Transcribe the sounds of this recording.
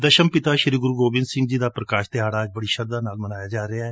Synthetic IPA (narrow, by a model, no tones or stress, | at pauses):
d̪əʃəmpɪt̪aːʃɪɾiːɡʊɾuɡoːbɪ̃nsɪ̃ŋɡd͡ʒiːd̪aːpɾəkaːʃt̪ɪɦaːɽaːd͡ʒbəɽiːʃəɾd̪aːnaːlmənaːjaːd͡ʒaːɾeaːɛː